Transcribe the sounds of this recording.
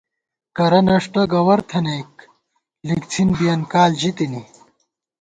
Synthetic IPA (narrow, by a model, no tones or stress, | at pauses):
kɐɾɐnɐʂʈɐɡɐwɐɾt̪ʰɐnɐjk̚ | lik̚t͡sʰinbijɐnkaːld͡ʑit̪ini